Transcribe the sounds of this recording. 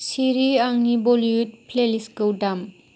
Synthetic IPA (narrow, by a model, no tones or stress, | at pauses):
siɾiaŋniboliut̚pʰleliskowdam